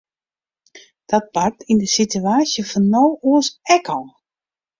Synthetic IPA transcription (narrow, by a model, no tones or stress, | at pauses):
d̥ɔt̚par̚tʰindəsityaːsjəfɔnːowuəsɛkɔlˠ